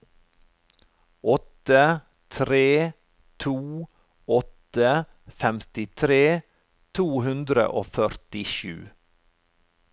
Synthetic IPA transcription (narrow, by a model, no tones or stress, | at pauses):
ɔt̪ə | t̪ʰɾeː | t̪ʰuː | ɔt̪ə | fɛmt̪ɪt̪ʰɾeː | t̪ʰuːhʉnd̪ɾə̰ʔoːfœɾt̪ɪʃʉ̰ː